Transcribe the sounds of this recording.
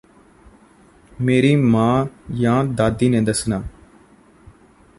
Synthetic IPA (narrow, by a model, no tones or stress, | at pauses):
meːɾiːmãːjãːd̪aːd̪iːnẽːd̪əsnaː